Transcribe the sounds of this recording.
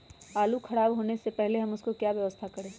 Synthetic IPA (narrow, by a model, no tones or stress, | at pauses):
aːlukʰɐɽaːbɦoːnesepɛɦleɦɐmʊskokjaːʋjɐʋəst̪ʰakɐɾẽː